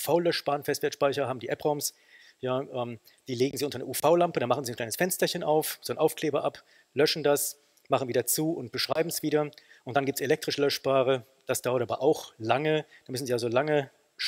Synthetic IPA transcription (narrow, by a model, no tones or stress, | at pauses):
faʊlœʃb̥aːʁənfɛstv̥ɛɐtʃpaɪçɐaːbm̩diːʔɛpʁaʊms | jaːʔɛːm | d̥iːleːɡŋ̩ziːʔʊntɐnɛ̰ʔuːfaʊlampədanmaχn̩ziːnkl̥aɪnəsfɛnstɐçənʔaʊfz̥oːnʔaʊfkʰleːbɐʔap | lœʃn̩das | maχn̩viːdɐt͡suːʊnt̚b̥əʃʁ̥aɪbm̩sv̥iːdɐʔʊnt̚d̥anɡiːptselɛk̚tʁ̥ɪʃlœʃb̥aːʁə | d̥asd̥aʊɐtʔaːbɐ̰ʔaʊxlaŋəd̥aːnmʏsn̩ziːalzolaŋə | ʃ